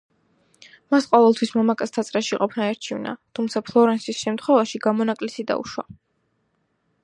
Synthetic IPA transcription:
masqʼɔvɛlˠt̪ʰwismamakʼast̪ʰat̪sʼɾaʃiqʼɔpʰnaɛɾt͡ʃʰivna̰t̪ʰumt̪sʰapʰlˠɔɾɛnsisʃɛmt̪ʰχwɛvaʃiɡamɔnakʼlisid̪a̰ṵʃwa̰

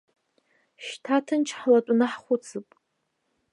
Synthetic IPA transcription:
ʃtʰatʰɨnt͡ʃʰħlatʷʼʊnɨħχʷʊt͡sʰɨpʼ

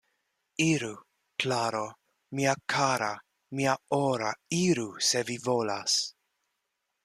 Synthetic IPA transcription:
iɾu | klaɾo | miakʰaɾa | miaoɾaiɾusevivolas

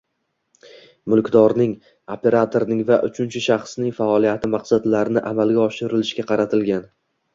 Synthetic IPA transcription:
mʊlˠkʲd̪ɒɾnɪŋ | opʰe̞ɾat̪ʰoɾnɪŋvaʔʊt͡ʃʰʊnt͡ʃʰɪʃɑχsnɪŋfaɒlˠijat̪ʰɪmɑqsad̪laɾɪnɪʔamalɡʲaɒʃɪɾɪlɪʃkʲaqʰɑɾat̪ʰɪlɡʲan

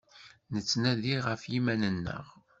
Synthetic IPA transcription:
nət͡sːnæðiʁəfjimænənːə̰ʁ

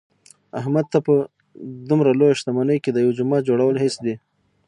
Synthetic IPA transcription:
ahmad̪̚t̪apə | d̪umɾalojaʃt̪amanəjked̪əjawd͡ʒʊmɑd͡ʒoɽawəlɦɪsd̪e

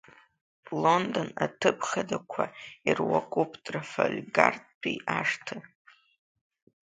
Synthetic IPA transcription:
londonatʰɨpʰχadakʷʰairwakʷʼupʰtʼrafalʲɡartpʰiaʂtʰɨ

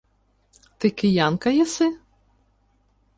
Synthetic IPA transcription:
t̪ɪkɪjankɐjɛsɪ

